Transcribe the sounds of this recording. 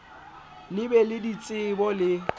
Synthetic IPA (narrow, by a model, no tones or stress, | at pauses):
lɪbɛlɪdit͡sʼɪbɔlɪ